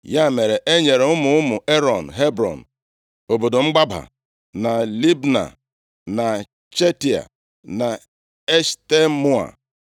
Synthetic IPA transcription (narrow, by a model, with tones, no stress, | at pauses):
ja˦˨me˨ɾe˨ʔe˦ɲe˨ɾe˨ʊ˦mʊ˨˦ʊ˦mʊ˨ʔe˦ɾɔ˨n̩˨ɦe˦bɾɔ̰˨n̩˨ | o˨bo˨do˨ŋ͡m̩˦ɡ͡ba˦ba̰˨ | na˨li˦bna̰˨ | na˨ | t͡ʃe˦ti˨a̰˨ | na˨ | e˦ʃte˦mu˦a̰˨